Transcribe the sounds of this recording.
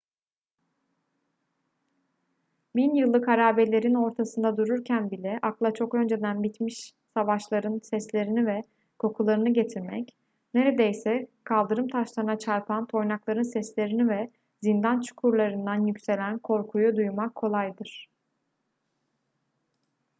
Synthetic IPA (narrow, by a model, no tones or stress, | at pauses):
binjɯlˠːɯkhaɾaːbelʲe̞ɾino̞ɾt̪ʰasɯnd̪ad̪uɾuɾcʰænbilʲɛʔaklˠat͡ʃʰo̞kø̞nd͡ʒe̞d̪ænbit̪miʃ | savaʃlˠaɾɯnsɛslʲe̞ɾinivɛ | kʰo̞kʰulˠaɾɯnɯɟe̞t̪ʰiɾmɛc | ne̞ɾe̞d̪ejsɛkʰalˠd̪ɯɾɯmt̪ʰaʃlˠanat͡ʃʰaɾpʰant̪ʰo̞jnaklˠaɾɯnsɛslʲe̞ɾinivɛ | zind̪ant͡ʃʰu̥kʰuɾlˠaɾɯnd̪anjycse̞lʲænkʰo̞ɾkʰujud̪ujmakʰːo̞lˠajd̪ɯɾ̥